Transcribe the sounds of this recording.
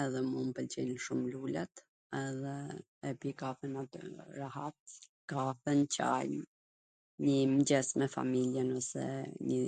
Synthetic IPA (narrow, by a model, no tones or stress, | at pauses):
ɛðɛmumpəlt͡ɕɛnʃumlulɛt̪ | ɛðɛː | pikafənat̪ɾahat̪̚ | kaθənt͡ɕa̰jm | ɲəmd͡ʑɛsmɛfa̰miljɛnɔsɛ̰ɲə